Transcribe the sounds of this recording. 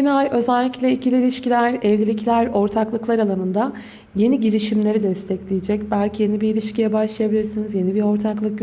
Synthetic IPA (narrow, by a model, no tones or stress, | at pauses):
enajø̞zælʲːiclʲɛicʰilʲiɾilʲiʃcilʲæɾɛvlʲilʲiclʲæɾo̞ɾt̪ʰaklˠɯklˠaɾalˠanɯnd̪a | je̞niɟiɾiʃimlʲe̞ɾid̪ɛst̪ʰɛclʲijed͡ʒɛc̚bælʲcʰije̞nibiilʲiʃcʰijɛbaʃlˠajabilʲiɾsinizje̞nibiɾo̞ɾt̪ʰaklˠɯk̚